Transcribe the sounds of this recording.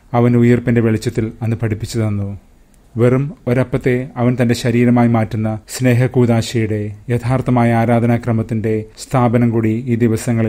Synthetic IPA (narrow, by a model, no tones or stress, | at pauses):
ɐʋɐnujɐrpinde̞ʋeɭit͡ɕːɐt̪ːilɐnːɨpɐɽipːit͡ɕːɐðɐnːu | ʋe̞rumo̞ɾɐpːɐt̪ːe̞ɐʋɐnt̪ɐnde̞ɕɐɾiːɾɐmaːjimaːtːunːɐsne̞ːɦɐkuːðaːɕɐjuɽe̞jɐt̪ʰaːrt̪ːɐmaːjɐaːɾaːd̪ʱɐnaːkrɐmɐt̪ːinde̞st̪ʰaːbɐnɐmkuːɽiiːd̪iʋɐsɐŋːɐɭi